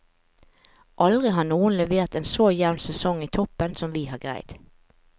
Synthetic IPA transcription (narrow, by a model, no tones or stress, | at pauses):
ʔɑld̪ʁɪɦɑːnuːənlɛʋeːʁt̪eːnsoːjæʊnsɛsɔŋiːt̪ʰɔpənsɔmʋiːhɑːɡʁæ̰ɪd̪̥